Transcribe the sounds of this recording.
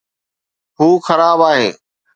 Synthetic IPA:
ɦuːxɐɾaːbaːɦḛː

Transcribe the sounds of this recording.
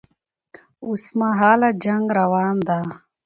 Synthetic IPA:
usmaɦaːlad͡ʒɐŋɡɾɐwaːnd̪aː

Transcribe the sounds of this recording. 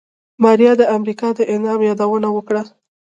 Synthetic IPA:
mɑɾijɑd̪əamɾikɑd̪əʔɪnɑmjɑd̪awənawəkɽa

